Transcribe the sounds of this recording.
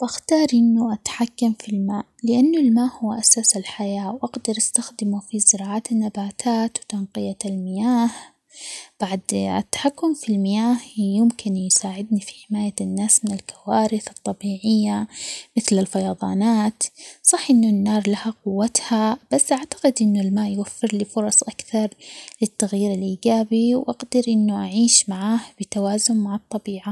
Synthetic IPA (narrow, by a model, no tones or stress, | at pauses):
wʔaxt̪ɑːɾˤʔɪnːuʔat̪ħakːamfilmaːʔlɪʔanːulmaːʔhʊwːʔasaːsɪlħajaːwʔaɡd̪ɑɾˤʔast̪axd̪ɪmufizɪɾɑːʕaːt̪ɪnːabaːt̪ʰaːt̪wt̪anqɨjalmɪjaːh | b̥aʕd̪ɪ̰t̪ːḁħakːʊmfilmɪjaːhjɪmkʰɪnjsaːʕɪd̪nifi̥ħɪmaːjanːaːsmɪnɪlkʰawaːɾɪθɨt̪ˤːɑbiːʕɪjːamɪθlɪlfajɑðˤɑːnaːt̪sˤɑħːʔɪnːʊnːɑːɾˤlahaqʊwːat̪hab̥asːʔaʕt̪ḁqɪd̪ʔɪnːʊlmaːʔjwafːɪɾlifʊɾˤɑsˤʔakθɑɾˤlɪt̪ːaɣjiːɾɪlʔiːɡaːbiwʔaɡd̪ɪɾʔɪnːuʔaʕiːʃmaʕaːhb̥ɪt̪awaːzʊmmaʕɑt̪ˤːɑbiːʕa